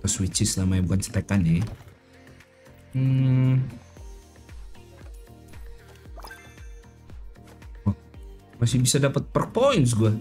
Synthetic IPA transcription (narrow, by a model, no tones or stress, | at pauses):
ɔswit͡ʃɪslamajabukant͡ʃə̥t̪akana | masɪhbisadapət̪̚pərpoins̬ɡua